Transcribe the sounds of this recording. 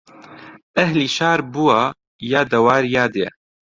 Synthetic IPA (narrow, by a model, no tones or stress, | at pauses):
ʔɛɦliːʃaːɾbuwaː | jaːd̪ɐwaːɾjaːd̪jɛ̰